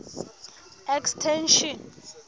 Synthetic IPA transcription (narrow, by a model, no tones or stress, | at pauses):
ɛkstʰɛnʃɔn